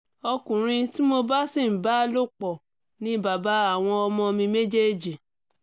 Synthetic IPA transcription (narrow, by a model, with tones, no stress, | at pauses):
ɔ˧kũ˨ɾ̃ĩ˧ti˦mo˧ba˦si˦˨ba˨˦lo˦k͡pɔ˨ | nĩ˨˦ba˨ba˨˦a˦˨w̃ɔ̃˧ɔ˧mɔ̃˧mĩ˧me˦d͡ʒe˦˨d͡ʒi˨